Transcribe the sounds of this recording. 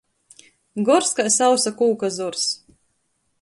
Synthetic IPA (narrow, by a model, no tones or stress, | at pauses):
ɡɔɾskajsawsakuːkazɔɾs